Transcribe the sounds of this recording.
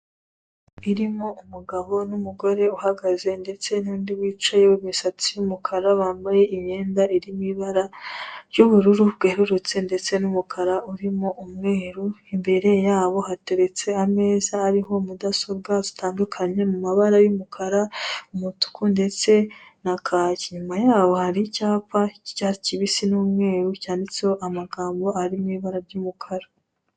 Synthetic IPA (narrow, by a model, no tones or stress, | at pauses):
iɾimo̞umuɡaβo̞numuɡo̞ɾe̞uhaɡaze̞nde̞t͡se̞nuːndiwiːt͡ʃajeβumisat͡sijumukʰaɾaβaːmbaje̞ʔiɲe̞ːndaiɾimiβaɾaɾjuβuɾuɾuβɡeɾuɾut͡se̞nde̞t͡se̞numukʰaɾauɾimo̞ʔumŋeːɾuimbe̞ɾe̞jaːβo̞hate̞ɾe̞t͡se̞ame̞ːzaːɾiɦo̞mudaso̞βɡazi̥tʰaːndukʰaɲe̞mumaβaɾajumukʰaɾaumutu̥kunde̞t͡se̞nakʰaːciɲumajaːβo̞haɾicaːpaicaɾiciβisinuːmŋe̞ːɾucaːndit͡seoʔamaɡaːmbo̞aɾimiβaɾaɾɟumukʰaɾa